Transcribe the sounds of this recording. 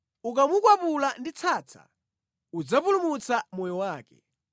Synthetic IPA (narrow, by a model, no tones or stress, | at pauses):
uk̬amukwapulandit͡sʰaːt͡sʰa̰ | ud͡zapulumut͡samɔjɔwaːkɛ̰